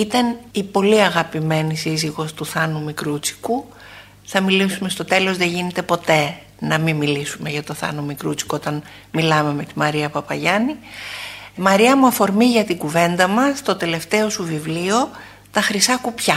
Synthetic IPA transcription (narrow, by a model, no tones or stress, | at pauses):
it̪ɐnipo̞liɐɣɐpime̞nisiziɣo̞st̪uθɐnumikɾut͡si̥ku | θɐmilisume̞st̪o̞t̪e̞lo̞zðe̞ʝine̞t̪e̞po̞t̪e̞ | nɐmimilisume̞ʝɐt̪o̞θɐ̰numikɾṵt͡si̥kuot̪ɐn | milɐme̞me̞t̪imɐɾiɐpɐpɐʝɐni | mɐɾiɐmuɐfo̞ɾmiʝɐt̪iɡuve̞nd̪ɐmɐst̪o̞t̪e̞le̞ft̪e̞o̞suvivlio̞ | t̪ɐxɾisɐkupçɐ